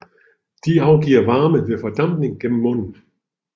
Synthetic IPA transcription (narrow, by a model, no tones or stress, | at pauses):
d̥iːʔaʊɡ̥iːɐvaɐməvifɛɐd̥amnɪŋɡ̥ɪmːɔn